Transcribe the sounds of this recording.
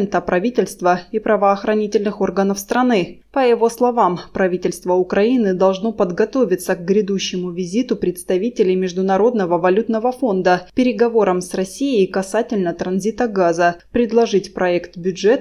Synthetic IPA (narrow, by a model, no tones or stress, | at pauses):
nt̪əpɾʔɐvʲitʲɪlʲst̪vəipɾəvəːxɾɐnʲitʲɪlʲnɨxo̞rɡənəfst̪ɾɐnɨ | pəjɪvo̞slˠɐvampɾɐvʲitʲɪlʲst̪vəʊkɾɐinɨd̪ɐlˠʐno̞pəd̪ɡɐt̪o̞vʲɪt̪səkɡɾʲɪd̪uɕːɪmʊvʲɪzʲit̪ʊpɾʲɪt̪st̪ɐvʲitʲɪlʲɪjmʲɪʐd̪ʊnɐɾo̞d̪nəvəvɐlʲut̪nəvəfo̞nd̪əpʲɪɾʲɪɡɐvo̞ɾəmsrɐsʲijɪjkɐsatʲɪlʲnət̪ɾɐnzʲit̪əɡazəpɾʲɪd̪lˠɐʐɨtʲpɾɐɛkt̪bʲʊʐɛt̪